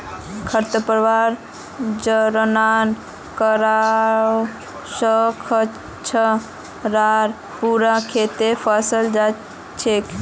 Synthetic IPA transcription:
kʰəɾt̪əpəɾʋaɾ | d͡ʒəɾənan | kəɾao | səkʰə | t͡ʃʰə | ɾaɾ | puɾakʰet̪epʰəsəld͡ʒa | t͡ʃʰek

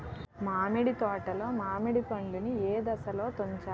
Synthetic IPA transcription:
maːmiɽit̪ɔːʈɐlo̞ːmaːmiɽipɐɳɖunieːd̪ɐsɐlo̞ːt̪oɲt͡ʃaː

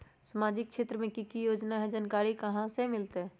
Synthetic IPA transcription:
səmaːd͡ʒɪk̚ʃeːt̪ɾəmẽkikijoːd͡ʒnaɦɛd͡ʒənkaːɾikəɦãsemɪlt̪e

